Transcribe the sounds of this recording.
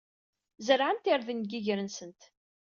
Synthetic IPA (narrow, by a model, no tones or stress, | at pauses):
zəɾʕənt̪ɪɾðənɡiʝɾənsənt̪